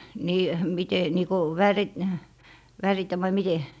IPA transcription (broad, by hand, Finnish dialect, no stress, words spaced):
niː mite niː ko ʋærit ʋæritæ ʋɑi mite